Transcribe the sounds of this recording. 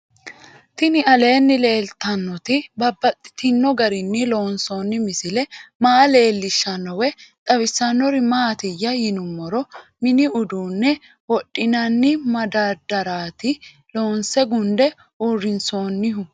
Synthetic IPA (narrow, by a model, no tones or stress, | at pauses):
t̪ɪnɪɐle̞ːnːɪle̞ːlt̪ɐnːɔt̪ɪbɐbːɐt̪ʼːɪ̥t̪ɪnːɔɡɐɾɪnːɪlo̞ːnso̞ːnːɪmɪsɪlɛmaːle̞ːlːɪʃːɐnːɔwɛt̪ʼɐwɪsːɐnːɔɾɪmaːt̪ɪjːɐjɪnʊmːɔɾɔmɪnɪʊd̪uːnːɛ | wɔɗʼːɪnɐnːɪmɐd̪ɐd̪ɐɾaːt̪ɪ | lo̞ːnsɛɡʊnd̪ɛ | uːrɪnso̞ːnːɪɦʊ